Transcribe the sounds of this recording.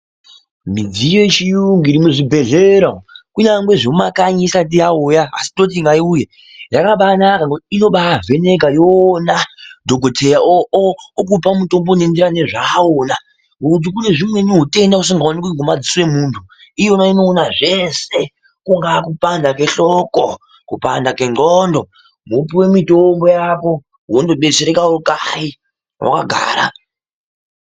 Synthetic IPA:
mid͡zijot͡ʃijuŋɡiɾimweʐibʱe̞ɮeɾakuɲaŋɡwe̞ʐeumakaɲisat̬ijaojaa̰si̥to̞t̬iŋɡaiuje | jakaɓanakaɡotino̞ɓave̞ne̞ɡʱajoːnadʱoɡʱotʰejaook̬upamuto̞mbonendiɾane̞ʐaoːna | ɦuut̬ikune̞ʐimweniɦute̞ndaus̬iŋɡawonikuiŋɡomad͡ziswe̞muːntʰu | ijonaino̞ːnaʐe̞se | kuŋɡakupandake̞ɬoko | kupandake̞ŋɡondo | mupiwe̞mitombo̞jako̞ | ɦondoɓet͡ʃeɾekaokai | wa̰ka̰ɡʱa̰ːɾa̰

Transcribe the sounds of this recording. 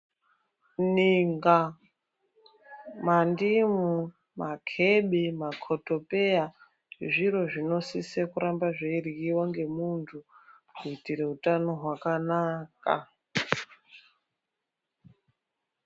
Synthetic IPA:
niŋɡa | mandimu | makʰeɓemakʰoto̞peja | ʐiɾo̞ʐino̞sisekuɾambaʐeiriɡiwaŋɡe̞muntʰu | kuitiɾe̞utano̞ɦwakanaːka̰

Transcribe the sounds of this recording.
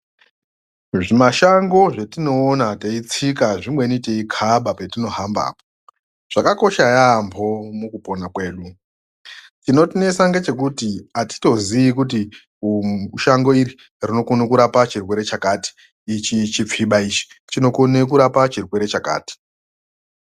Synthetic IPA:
ʐimaʃaŋɡo̞ʐetino̞ːnateit͡sikaʐimweniteikʰaɓapetino̞ɦamba̰ːpo̥ | ʐ̥akako̞ʃajambʰʱo̞mukupo̞nakwe̞ːɗu | tino̞tine̞saŋɡet͡ʃe̞k̬utiati̥to̞ziikut̬i | uʃaŋɡo̞iɾi | rino̞konokuɾapat͡ʃirwe̞ɾe̞t͡ʃakaːti̥ː | t͡ʃit͡ʃip͡fiɓait͡ʃi̥ | t͡ʃino̞konekuɾapat͡ʃirwe̞ɾe̞t͡ʃaka̰ːti̥

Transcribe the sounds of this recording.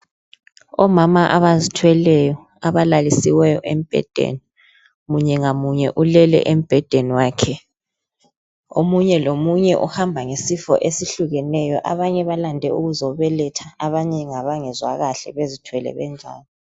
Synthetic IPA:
ɔmamaʔaβazitʰwɛlɛjɔ | aβalalisiwɛjɔʔem̩b̥ʱɛ̰d̥ʱḛni | muɲɛŋamuɲɛʔulɛlɛ̰ʔem̩b̥ʱɛd̥ʱeniwaːkʰɛ | o̰muɲɛlomuɲɛʔṵhambʱaŋesifɔ̰ʔesiɬuɣɛnɛjɔʔaβaɲɛβalandʱɛuɣuzɔβɛlɛtʰaaβaɲɛŋaβaŋɛzwa̰ɣaɬɛ̰βezitʰwɛlɛ̰βɛ̰nd͡ʒʱa̰ːlɔ

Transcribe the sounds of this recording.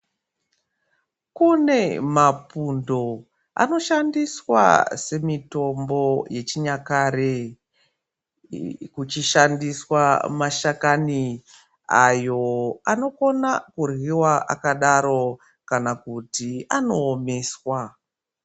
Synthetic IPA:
kune̞mapundo̞ | a̰no̞ʃandiswa̰se̞mito̞mbo̞je̞t͡ʃiɲakaɾe | kut͡ʃiʃandiswamaʃakani | ajo̞ano̞ko̞nakurwiwaʔa̰kaɗaɾo̞ | kanakutiano̞ːmeːswa

